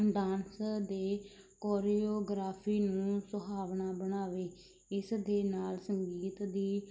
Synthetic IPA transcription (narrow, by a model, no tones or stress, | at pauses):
d̪aːnsd̪eːkoːɾiːoːɡɾaːpʰiːnũːsʊbaːʋnaːbənaːʋeː | ɪsd̪eːnaːlsəŋɡiːt̪d̪iː